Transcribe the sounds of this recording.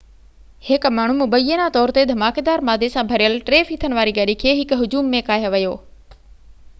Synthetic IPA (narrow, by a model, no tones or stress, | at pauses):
hɪkmaːɳ̤umʊbəjənat̪ɔːɾt̪ed̪ʱɐmaːked̪aːɾmaːd̪ʱesãbʱɐɾijəlʈɾeːfit̪ʰəñʋaːɾiɡɐɗikʰeːɦɪkɦʊd͡ʑuːmːẽkaːɦjoʋɐjoː